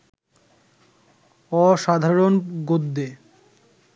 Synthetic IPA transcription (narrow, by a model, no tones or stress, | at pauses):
ɔʃad̪ʱaɾonɡod̪ːe